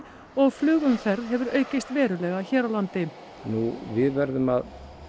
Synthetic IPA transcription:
ɔɣflʏːɣʏmfɛɾðɦɛvʏɾœːɥcɪst̪vɛːɾʏlɛɣaçɛːɾawlant̪ɪ | nuvɪðvɛɾðʏmað

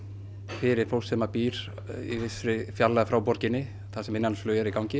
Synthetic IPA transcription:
fɪɾɪɾ̥fowlsɛmapiːɾ̥ | ḭvɪsɾɪfjalːaðfɾaːwpɔɾcɪnːɪ | θasɛmɪnːansflœːɛɾikawŋcɪ

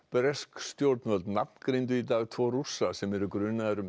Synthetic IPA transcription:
pɛɾɛskst̪jowɾt̪nvœlt̪napnkɾejnt̪̬ʏit̪aːɣt̪ʰvɔːrusasɛmɛɾʏkɾʏːnaðɛɾʏm

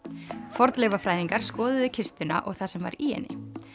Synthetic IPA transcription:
fɔɾt̪lɛvafɾaːjðiŋkaɾ̥skɔːðʏðʏcʰɪst̪ʏna̰ʔɔɣθasɛmva̰ɾiːɛ̰nːɪ̰

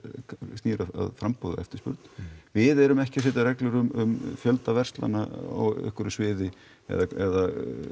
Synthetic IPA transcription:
siːɾaa̰ðfɾampoːða̰ɛ̰ft̪ɪ̥spʏ̰ɾt̪nvɪðɛɾʏmɛhcɪasɪt̪arɛklʏɾʏmʏmfjœlt̪avɛr̥st̪la̰naɔ̰ɣʏ̰hkʏɾʏsvɪːðɪ | ɛ̰ðaɛða

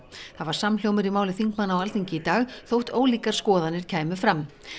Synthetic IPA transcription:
θaðvaɾ̥samljowmɪɾimaːwlɪθiŋkmanːawalθiɲcɪit̪aːɣθowht̪oːwliːkaɾ̥skɔːðanɪɾ̥cʰaːjmʏfɾamː

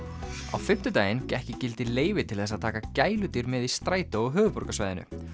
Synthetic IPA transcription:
a̰wfɪm̥t̪ʏt̪aːjɪncɛhcɪcɪlt̪ɪleːjvɪt̪ʰɪlθɛs̬ːaðt̪ʰaːkacaːjlʏt̪iɾmɛðist̪ɾaːjt̪aɔɣɦœːvʏpɔɾkasvajðɪnʏ̰

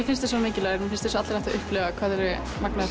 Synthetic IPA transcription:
ɪfɪnst̪ɪsɔmɪːcɪlaːɾmɪfɪnst̪ɪ̥s̬ɔat̪ɾnɛht̪aʏhplœːɣakʰvaːðɛɾʏ | maknaa

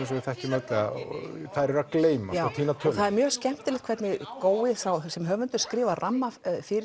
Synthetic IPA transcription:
sɛmvɪθɛhcɪmɛt̪lɛa̰θajɾɛɾakleːjmaaːt̪ʰiːnat̪ʰœːlθaðɛɾmjœːɣscɛm̥t̪ɪlɛt̪kʰvɛɾt̪nɪkoːwɪθawsɛmɦœːvʏnt̪ʏ̥skɾɪːvaramːafɪɾɪ

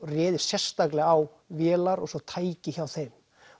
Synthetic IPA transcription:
rɛːðɪ̥sjɛr̥st̪aklɪɣaw | vjɛːlaɾɔɣsɔt̪ʰaːjcɪçawθejm

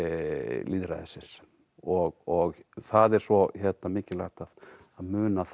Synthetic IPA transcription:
liːðɾa̰ðsɪs | ɔɣɔɣθaðɛɾ̥svɔçɛt̪̚namɪːcɪla̰xt̪að | aðmʏːnaθ

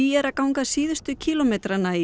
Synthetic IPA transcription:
iɛɾaðkawŋkasiːðʏst̪ʏcʰiːlɔmeːt̪ɾanːai

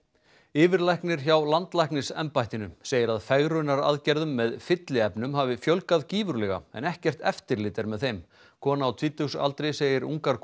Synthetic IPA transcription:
ɪːvɪɾlajhknɪɾ̥çawlant̪lajhknɪsɛ̰mpajht̪ɪnʏmseːjɪɾaðfɛɣɾʏnːaɾa̰ðcɛɾðʏmːɛðfɪt̪lɪɛpnʏmɦaːvɪfjœwlkaðciːvʏɾlɛɣa̰ɛ̰nɛhcɛr̥t̪ɛ̰ft̪ɪɾlɪːt̪ɪɾmɛðθejm | kʰɔːnaːwt̪ʰviːt̪ʏwsa̰l̪t̪ɾejseːjɪɾṵŋkaɾk

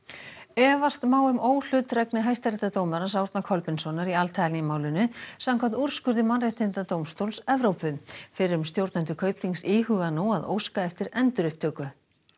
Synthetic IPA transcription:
ɛːvast̪maːwʏmoːwl̥ʏt̪rɛknɪɦajst̪aɾɛt̪at̪owmanasawɾt̪nakʰɔlpɪnsɔnaɾialt̪ʰajlnɪmaːwlʏnʏsamkʰamt̪uɾ̥skʏɾðʏmanrejht̪ɪnt̪at̪owmst̪owlsɛvɾowpʏfɪɾɪɾʏmst̪jowɾt̪nant̪ʏkʰœɥpliŋsiːɦʏːɣanuaðo̰ːwskaɛft̪ɪɾɛnt̪ʏɾʏhpt̪ʰœːkʏ

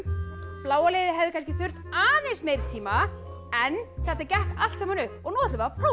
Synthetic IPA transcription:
plaːwalejðɪɦɛvðɪkʰanscɪθʏr̥t̪aːðensmeːjɾt̪ʰiːma | ɛnːθɛht̪acɛhkal̥t̪samanʏhpɔɣnɔːðt̪lʏvapʰo

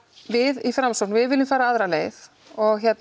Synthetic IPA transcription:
vɪðifɾamsɔk̚nvɪðvɪlːɪmfaːɾaaːðɾaneːjθ | ɔɣçjɛt̪n

